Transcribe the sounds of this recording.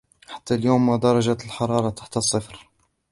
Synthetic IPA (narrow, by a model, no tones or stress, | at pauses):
ħḁt̪ːæljuːmæd̪ɑɾˤɑʒæt̪əlħɑɾˤɑɾˤɑt̪ḁħt̪əsˤːəfɾ